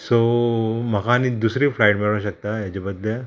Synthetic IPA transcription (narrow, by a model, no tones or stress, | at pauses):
som̤əkʰaːnid̪usɾiːflajʈmiɭʋaɕək̚t̪aɦat͡ɕebəd̪le